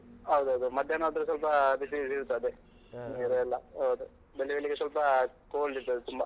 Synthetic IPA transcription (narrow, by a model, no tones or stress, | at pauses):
ɦɐwd̪uɦɐwd̪umɐd̪jɐnaːd̪ɐɾusɐlpɐbisisiɾt̪ːɐd̪e | niːɾeɐlːɐɦɐwd̪u | belːiʋeɭlːiɡesʋɐlpɐ | koːlːiɾt̪ːeɐd̪et̪umbɐ